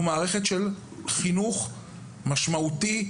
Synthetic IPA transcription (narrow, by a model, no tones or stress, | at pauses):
maːʁe̞χe̞tʃel | χinuχ | maʃmauti